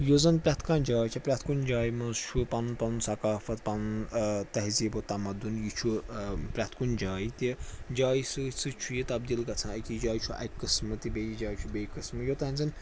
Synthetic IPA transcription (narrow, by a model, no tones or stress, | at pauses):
jozɐnpɾʲat̪ʰkãːnd͡ʒaːjt͡ʃʲʰipɾʲat̪ʰkund͡ʒaːjimɐzt͡ʃʰupɐnunpɐnunsɐkaːfɐt̪pɐnunt̪ɐɦziːbot̪ɐmɐd̪unjit͡ʃʰupɾʲat̪ʰkund͡ʒaːit̪id͡ʒaːjisɨsɨt͡ʃʰujit̪ɐb̚d̪iːlkɐt͡sʰãːɐkid͡ʒaːjt͡ʃʰuʔɐ̰kːɨsmɨt̪ibejid͡ʒaːjt͡ʃʰubejkɨsmɨjot̪ɐɦɐnʲzɨn